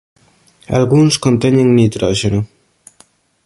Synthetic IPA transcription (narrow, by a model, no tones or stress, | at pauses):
a̰lɣunskont̪eɲeŋnit̪ɾɔʒenu